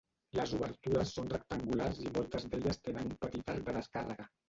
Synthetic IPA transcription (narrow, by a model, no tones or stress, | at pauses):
ləzuβəɾt̪uɾəsːonrək̚t̪əŋɡularzimɔlˠt̪əzðeʎəst̪enənumpət̪it̪aɾk̚d̪əð̞əskarəɣə